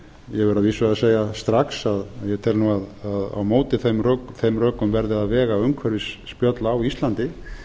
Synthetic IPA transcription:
jɛvɛɾaðviːsvʏaseːjast̪ɾaksaðaðjɛt̪ʰɛlnuːaðaða̰wmoːwt̪ɪθmrœkθejmrœːkʏmvɛɾðɪðaðvɛːɣawʏŋkʰvɛɾvɪsːpjœt̪laːwist̪lant̪ɪ

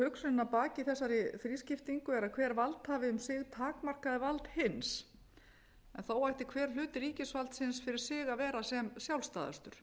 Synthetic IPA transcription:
hœksʏnɪnapaːcɪθɛsːaɾɪfɾiːscɪft̪iŋkʏɛɾakʰvɛːɾvalt̪haːvɪʏmsɪɣt̪ʰaːkmar̥kaðɪvalt̪hɪns | ɛnθawajht̪ɪ̥kʰvɛːɾ̥l̥ʏːt̪ɪɾiːcɪsvalt̪sɪnsfɪɾɪɾ̥sɪːɣavɛːɾasɛmsjawlst̪a̰ːða̰st̪ʏɾ̥

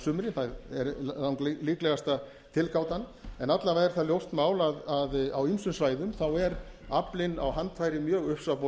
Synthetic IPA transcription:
sʏmɾɪnθaðɛɾlawŋklliːklɛɣast̪a | t̪ʰɪlkʰaːwt̪anːɛnat̪lavaɾ̥θaljowst̪maːwlaðaðawimsʏnsvaːjðʏmθawɛɾaplɪna̰wɦant̪fajɾɪmjœːɣʏhpsapo

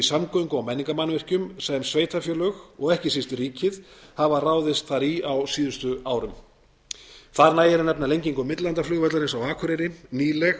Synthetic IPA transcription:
isamkɔiŋkʏawmɛnːiŋkamanːvɪr̥cʏmsɛmsveːjt̪afjœːlœxɔɣɛhcɪsist̪ɪriːcɪðhavaraːwðɪst̪θaɾiawsiːðʏst̪ʏaːwɾʏm | θaɾnaːjɪɾnɛpnalejɲciŋkʏmɪt̪lant̪aflʏɣvɛt̪laɾɪnsawaːkʰʏɾeɾɪniːlɛx

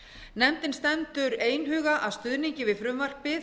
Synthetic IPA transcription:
nɛmt̪ɪnst̪ɛnt̪ʏɾeːjnɦʏːɣaʔaðst̪ʏðniɲcɪvɪðfɾʏmvar̥pɪ

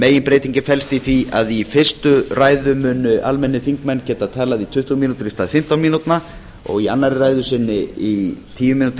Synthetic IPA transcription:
meːjɪnpɾeːjt̪iɲcɪfɛlst̪iθviaðifɪr̥st̪ʏraːjðʏmʏːnʏʔalmɛnːɪθiŋkmɛnːcɛːt̪at̪ʰaːlaðit̪ʰʏht̪umiːnut̪ʏɾist̪aːðfɪm̥t̪awnmiːnut̪na | ɔ̰ɣianːaɾɪraːjðʏsɪnːɪit̪ʰiːvʏmiːnut̪

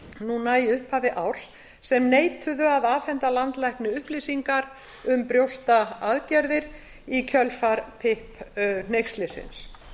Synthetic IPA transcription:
nunajɪʏhphavɪʔawɾ̥s | sɛmneːjt̪ʰʏðʏaðaːfɛnt̪alant̪lajhknɪʏhplisiŋkaɾ | ʏmpɾjowst̪aaðcɛɾðɪɾ | icʰœlfaɾpʰɪhpnejxst̪lɪsɪ̰ns

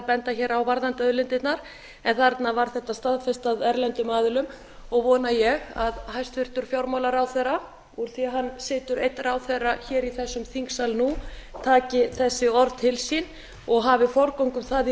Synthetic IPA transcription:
pɛnt̪açɛːɾawvaɾðant̪œðlɪnt̪ɪt̪naɾ̥ | ɛnθaɾɛt̪navaɾ̥θɛht̪ːast̪aðfɛst̪aðɛɾlɛnt̪ʏmaːðʏlʏm | ɔɣvɔːnajɛɣaðɦajst̪fɪɾ̥t̪ʏɾ̥fjowɾmawlaɾawθɛɾa | uɾ̥θiaɦanːsɪːt̪ʏɾejt̪ːɾawθɛrːaçɛːɾiθɛsːʏmθiŋksalnut̪ʰaːcɪθɛsːɪɔɾðt̪ʰɪlsin | ɔɣɦaːvɪfɔɾkowŋkʏmθað

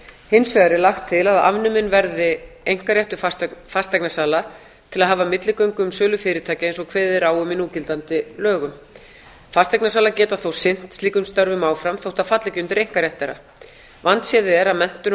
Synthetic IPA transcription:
hɪnsvɛðaɾɪlaxt̪ʰːɪlaða̰vnʏmɪnvɛɾðɪejŋ̥kaɾjɛht̪ʏfast̪ajknasaːla | t̪ʰɪlaðɦaːvamɪt̪lɪkœɥŋkʏmsœːlʏfɪːɾɪt̪ʰaːcɪens̬ɔkʰvɛːðɪɾaːwʏmɪnuːcɪlt̪ant̪ɪlœːɣʏm | fast̪ɛjknasaːlacɛːt̪aθowsɪn̥t̪st̪liːkʏmst̪œɾvʏmaːwfɾamθowht̪afat̪lacʏnt̪ʏɾejŋ̥kaɾjajht̪ːɛɾa̰ | vant̪sjɛːðɪɛɾaðmɛn̥t̪ʏ

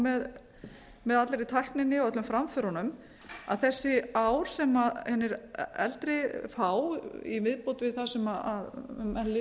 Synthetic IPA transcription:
mɛð | mɛðat̪lɛɾɪt̪ʰajhknɪnːɪɔœt̪lʏmfɾamfœɾhɔnʏm | a̰ðθɛsːɪaːwɾ̥sɛmaðhɛnːɪɾɛ̰lt̪ɾɪfawḭmɪðpot̪vɪðθasɛmaaðmɛnlɪ

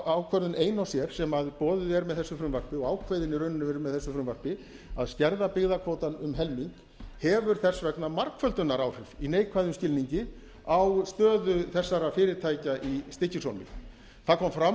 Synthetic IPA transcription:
awkʰvœɾðʏneːjnawsjɛɾ̥sɛmaðpɔːðʏɛɾmɛðθɛsːʏfɾʏmvarpɪɔɣaːwkʰvejðɪnːɪɾœɥnɪnʏvɛɾɪmɛðθɛsːʏfɾʏmvar̥pɪ | a̰ðscɛɾðapɪɣðakʰvowt̪anʏmɦɛlmiŋk | hɛvʏɾ̥θɛsvɛknamaɾkfœlt̪ʏnːaɾaːwr̥ɪv̥ineːjkʰvajðʏmscɪlniɲcɪ | awst̪œːðʏθɛsːaɾafɪːɾɪɾt̪ʰaːjcaʔist̪ɪhcːɪsowlmɪ̰ | θaðkʰɔmfɾa

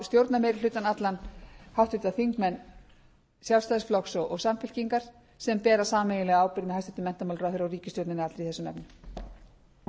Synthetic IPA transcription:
st̪jowɾt̪naɾmeːjɾɪlʏːt̪anat̪lanhawht̪vɪt̪aθiŋkmɛnː | sjalst̪ajðsflɔksɔɣɔɣsamfɪl̥ciŋkaɾ̥ | sɛmpɛːɾasaːmeːjɪlɛɣaaːwpɪɾmɪhajst̪ɛnt̪ʏmɛn̥t̪amalrœθʏɾawriːcɪst̪jɔwɾt̪nɪnɪat̪ɾiθɛsʏmnɛ̰pnʏ

